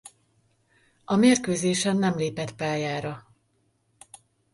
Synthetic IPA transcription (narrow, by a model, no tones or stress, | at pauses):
ɒmeːrkøːzeːʃɛnːɛmleːpɛt̪paːjaːɾɒ